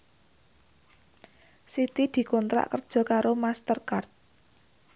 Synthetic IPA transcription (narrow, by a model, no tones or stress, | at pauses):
sit̪id̪̥i̤kɔnt̪ɾa̰ʔkərd̥ʒ̥ɔ̤kaɾomast̪ərkart̪̚